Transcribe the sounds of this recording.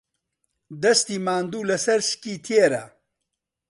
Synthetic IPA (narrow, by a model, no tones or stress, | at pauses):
d̪ɐst̪iːmaːnd̪uːlɐsɐɾʃkiːt̪ʰeɾa̰